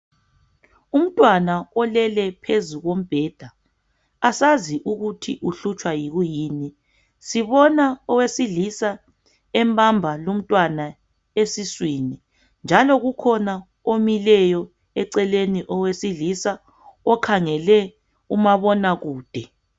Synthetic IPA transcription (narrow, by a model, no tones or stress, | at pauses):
um̩tʼwanaɔlɛlɛpʰezuɣom̩b̥ʱɛːd̥ʱa | asaziʔuɣutʰḭʔuɬut͡ʃʼwajiɣujiːni | siβɔnaɔwesiɮisa | ɛmbʱʼambʱalom̩tʼwana | esiswini | nd͡ʒʱalɔɣukʰɔna | omilɛjɔ | ɛǀɛleniʔɔwesiɮisa | ɔkʰaŋɛlɛ | umaβɔnaɣuːd̥ʱɛ